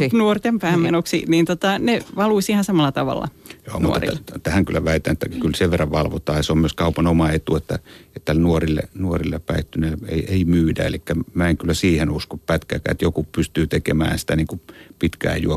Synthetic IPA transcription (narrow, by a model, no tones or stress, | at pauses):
nuort̪empæːmmenoksḭniːnt̪ot̪ɑneʋɑluisihɑnsɑmɑlːɑt̪ɑʋɑ̰lːɑ̰jo̰ːmnṵḛit̪æhæŋkylːˑæʋæit̪ˑæ̰net̪ːækylseʋʋerːɑʋʋɑlʋot̪ɑːjɑseommyøskɑupɑnomɑet̪uet̪ːæet̪ːænuorilːḛnuorilːepæit̪ːyneḛieimyːdæ̰ḛlikːæmæeŋkylːæsiːhenuskoppæt̪kæ̰ːkæ̰ːet̪jokupyst̪yːt̪ekemæ̰ːsi̥t̪æniːŋkupit̪kæ̰ːjṵo